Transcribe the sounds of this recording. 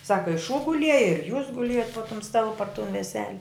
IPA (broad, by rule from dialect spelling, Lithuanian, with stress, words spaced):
ˈsɑːkɐ ɪ ʃuː ɡʊˈlʲiɛjɛ ɪr juːs ɡʊˈlʲiɛjoːt poː tʊm ˈstɑːlˠʊ pɐr tʊn ʋʲɛˈsʲæːlʲɛ